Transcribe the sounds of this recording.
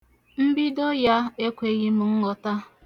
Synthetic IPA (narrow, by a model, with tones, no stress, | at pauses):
m̩˦bi˦do˦ja˦e˦kʷe˨ɣi˦mʊ˨ŋ̩˦ŋɔ˨ta˦